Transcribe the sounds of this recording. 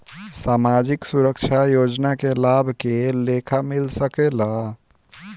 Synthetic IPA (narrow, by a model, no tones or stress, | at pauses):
samad͡ʒiksuɾəkt͡ʃʰajod͡ʒnakelabʱkelekʰamilsəkela